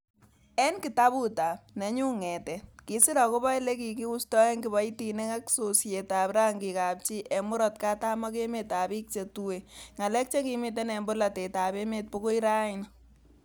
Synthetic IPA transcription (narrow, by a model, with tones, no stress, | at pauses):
ɛ˦nki˨ta˦buta˨p̚ne˨ɲu˦ŋɛ˨tɛ˨ki˨si˦ɾa˨ko˦ba˦jle˦ki˨ki˦u˦stɔ˦ɛ˦ŋki˨ba˦iti˨ne˦ka˦kso˨sje˨ta˨pɾa˦ŋɡi˨ka˨p̚t͡ʃi˦ʔɛ˨mʊ˦ɾɔ˨t̚ka˦ta˦mɔ˦ke˦meta˨bi˦k̚t͡ʃe˨tuwe˨ŋa˨lɛ˦k̚t͡ʃe˦kimi˨t̬e˦nɛ˨mbo˦la˨te˨ta˨be˦me˨t̚po˦ko˦i˦ɾa˦in